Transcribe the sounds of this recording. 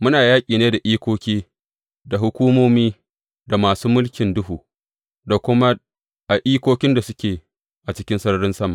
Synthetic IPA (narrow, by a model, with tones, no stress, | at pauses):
mʊ˦naː˨jaː˦kʲʼiː˨neː˦da˨ʔiː˦kʷoː˦kʲiː˦ | da˨ɦʊ˨kʷuː˦moː˦miː˦ | da˨maː˨suː˦mʊ˦lkʲɪ˨ndʊ˦ɦuː˨ | da˨kʷʊ˦ma˦ | ʔa˨ʔiː˦kʷoː˦kʲɪ˦nda˨sʊ˦kʲeː˨ | ʔa˨t͡ʃɪ˦kʲɪ˦nsɐ˦nɐ˦ɽɪ˦nsɐ˦ma̰˨